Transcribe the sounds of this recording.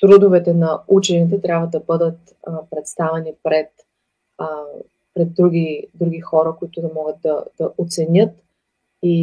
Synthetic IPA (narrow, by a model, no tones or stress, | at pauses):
t̪ɾud̪ʊvɛt̪ɛnɐut͡ʃɛnʲiit̪ɛt̪ɾʲabvəd̪ɐbɤd̪ət̪ | pɾɛt̪st̪avɛnipɾɛt̪ | pɾɛd̪̚ːɾuɡid̪ɾuɡʲixɔɾəkʊit̪ʊd̪ɐmɔɡət̪̚d̪ɐd̪̥ɐʔot̪sɛnʲɤt̪ | i